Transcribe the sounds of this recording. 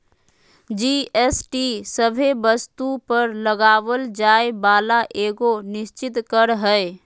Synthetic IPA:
d͡ʒiesʈisəbʱebəst̪upəɾləɡaːʋəld͡ʒaːebaːlaʔeːɡonɪst͡ʃɪt̪kəɾɦəe

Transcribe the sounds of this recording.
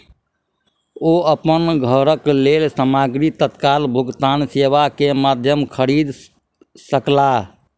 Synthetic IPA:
oəpənɡʱəɾəkleːlsəmaːɡɾit̪ət̪kaːlbʱʊɡt̪aːnseʋakemaːd̪ʱjəmkʰəɾid̪ | səkla

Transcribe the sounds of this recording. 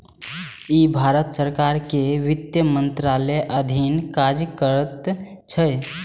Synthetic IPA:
ibʱaɾət̪səɾkaɾkeʋɪt̪jəmənt̪ɾaleʔəd̪ʱinkad͡ʒəkəɾət̪ | t͡ʃʰə

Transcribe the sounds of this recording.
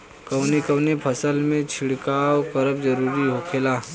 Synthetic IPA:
kɐwnekɐwnepʰɐsəlmẽt͡ʃʰɪɽkaːwkɐɾəbd͡ʒɐɾuːɾiɦokʰelaː

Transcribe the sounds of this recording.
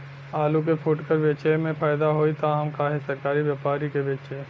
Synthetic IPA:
aːluk̬epʰʊʈkəɾʋeːt͡ʃəmẽpʰaːɪd̪aɦoːit̪aɦəmkaːɦesɐɾkaːɾiʋjaːpaːɾikebeːt͡ʃe

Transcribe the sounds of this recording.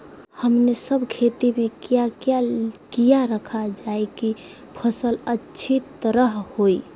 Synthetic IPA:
həmnesəbʱkʰet̪imekijakjakijaɾəkʰad͡ʒaeki | pʰəsələtːt͡ʃʰit̪əɾəɦhoj

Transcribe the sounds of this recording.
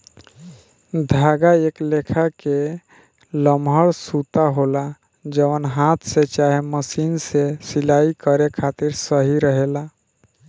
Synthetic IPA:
d̪ʱaːɡaeklekʰake | ləmʱɦəɽsut̪aɦola | d͡ʒəʋənɦaːt̪ʰset͡ʃaːɦeməsiːnsesɪlaːikəɾekʰaːt̪ɪɾsəɦiɾəɦela

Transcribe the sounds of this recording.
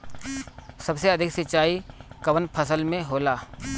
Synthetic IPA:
sɐbseɐd̪ʱɪksɪt͡ʃaːikɐʋənpʰəsəlmẽɦoːlaː

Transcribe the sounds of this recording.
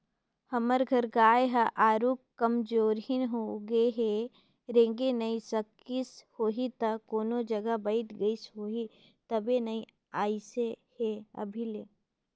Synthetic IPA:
hɐməɾɡʱɐɾɡaːeɦaʔaːɾuːkkːɐmd͡ʒoːɾɦinɦoɡeɦe | ɾẽːŋɡenɐisɐk | ishoːɦit̪ɐkoːnod͡ʒɐɡabɐɪt̪ɡɐisɦoːɦi | t̪ɐbenɐi | aːiseheɐ̰bʱileː

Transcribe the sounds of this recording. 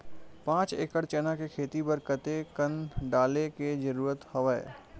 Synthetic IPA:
pãːt͡ʃeːkəɽt͡ʃɛːnakekʰeːt̪ibəɾkət̪ekənɖaːleked͡ʒɐɾuːɾət̪hɐʋəḛ

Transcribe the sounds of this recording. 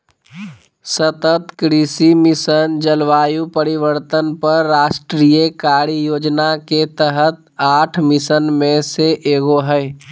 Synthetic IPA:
sət̪ət̪kɾisimɪsənd͡ʒəlʋaːjupəɾiʋəɾt̪ənpəɾːaːʃʈɾijəkaːɾijoːd͡ʒnaket̪əɦət̪̚ | aːʈʰmɪsənmẽseʔeːɡoɦəɪ

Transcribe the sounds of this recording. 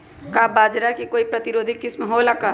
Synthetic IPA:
kabaːd͡ʒɾakikoːipɾɐt̪ɪɾoːd̪ʱikɪsmɐɦoːlaka

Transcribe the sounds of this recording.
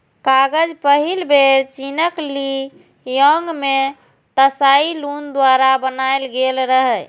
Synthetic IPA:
kaɡəd͡ʒpəɦilbʱeɾt͡ʃinəkli | jəŋɡme | t̪əsailund̪waɾabənajlɡelɾəɦɛ

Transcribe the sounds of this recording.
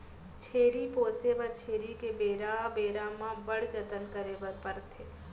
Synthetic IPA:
t͡ʃʰeːɾipoːsebɐt͡ʃʰeːɾikebeːɾabeːɾamãbəɽt͡ʃət̪ənkəɾebəpəɾt̪ʰeː

